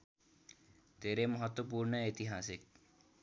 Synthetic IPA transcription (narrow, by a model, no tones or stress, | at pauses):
t̪eɾemɔɦɔt̪wopuɾɳəet̪iɦasik̚